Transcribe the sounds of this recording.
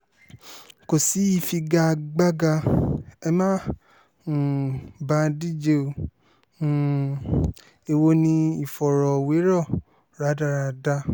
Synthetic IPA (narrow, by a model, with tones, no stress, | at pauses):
ko˨si˨˦i˦˨fi˧ɡa˧ɡ͡ba˦ɡa˧ɛ˧mã˦˨ | ba˧di˦d͡ʒe˧o˨˧˨ | e˧wo˧nĩ˧i˨fɔ˨ɾɔ˨we˨˦ɾɔ˦˨ | ɾa˨˦da˧ɾa˧da˦